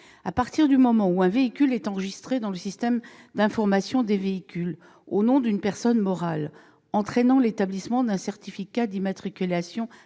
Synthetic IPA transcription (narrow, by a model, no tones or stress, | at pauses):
apaʁt̪iʁd̪ymɔmɑ̃uɛ̃veikʲylɛt̪ɑ̃ʁəʒist̪χed̪ɑ̃ləsist̪ɛmd̪ɛ̃fɔʁmasjɔ̃d̪eveikʲyl | onɔ̃d̪ynpɛʁsɔnmɔʁal | ɑ̃t̪χɛnɑ̃let̪ablismɑ̃d̪ɛ̃sɛʁt̪ifikad̪imat̪χikʲylasjɔ̃